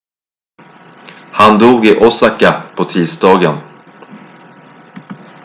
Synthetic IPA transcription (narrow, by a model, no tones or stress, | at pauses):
hand̪uːɡɪʔɔsakːapʰɔt̪ʰiːsd̪ɑːɡən